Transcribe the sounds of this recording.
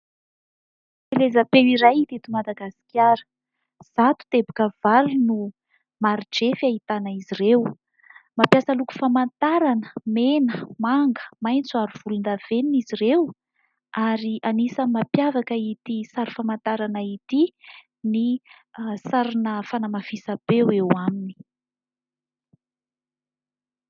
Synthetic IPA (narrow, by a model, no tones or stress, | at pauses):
filezapewiɾajit̪it̪umad̪aɡasi̥kʲjaɾə̥ | z̥at̪u̥t̪ebukəv̥alunu | maɾid͡ʒefait̪anaizirew | mapjasəluku̥famant̪aɾanə̥menəmaŋɡə̥majnt͡suaɾuv̥ulund̪av̥eninizirew | aɾianisəmapjavakəit̪isaɾufamant̪aɾanait̪i | ni | saɾinəfanəmafisəb̥ewewamini̥